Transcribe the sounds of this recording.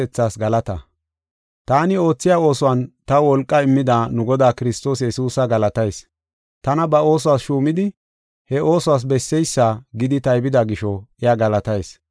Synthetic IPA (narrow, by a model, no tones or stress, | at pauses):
ɛt͡sːaːsɡɐlɐt̪ɐ | t̪aːnɪo̞ːt͡sːɪjaːo̞ːsɔwɐnt̪ɐwɔlkʼːɐɪmːɪd̪aːnʊɡɔd̪aːkɪɾɪst̪o̞ːsjɛsuːsɐɡɐlɐt̪ɐjs | t̪ɐnɐbɐo̞ːs̬ɔwaːsʃuːmɪd̪ɪ | hɛʔo̞ːsɔwaːs̬bɛsːɛjsːaɡɪd̪ɪt̪ɐjbɪd̪aɡɪʃɔɛjaɡɐlɐt̪ɐjs